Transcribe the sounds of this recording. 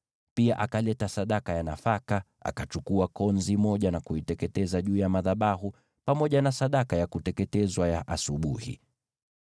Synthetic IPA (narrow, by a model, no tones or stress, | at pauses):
piaʔakalɛtasaɗakajanafaka | a̰kat͡ʃukuakɔnzimɔʄanakuitɛkɛtɛzaʄuːjamaðaɓaɦu | pamɔʄanasaɗakajakutɛkɛtɛzwajaʔasuɓuhḭ